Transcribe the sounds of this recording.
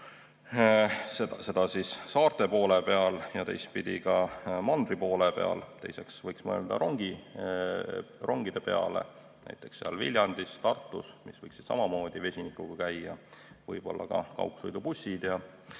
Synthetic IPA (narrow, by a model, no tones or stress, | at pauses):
sed̪ɑse̞d̪̥ɑsisːɑːrt̪e̞po̞ːlepe̞ɑljɑt̪e̞̰jst̪̚pid̪̥ʲikɑmɑnd̪̥ripo̞ːlepe̞ɑ̰lt̪e̞̰jse̞ksvɤjksmɤḛld̪̥ɑ̰ɾoŋɡ̥i | ro̞ŋɡ̥id̪̥e̞pe̞ɑ̰lḛ | næ̰jt̪ːˑe̞̥ksːeɑ̰lvilʲjɑnd̪̥ist̪ɑrt̪ˑːusmisvɤjksi̥d̪sɑ̰mɑmo̞ːd̪̥ive̞sʲinikːˑuɡ̥ɑkæjːɑvɤjb̥o̞̰lːɑkɑ̰kɑ̰wksojd̪upusʲid̪̥jɑ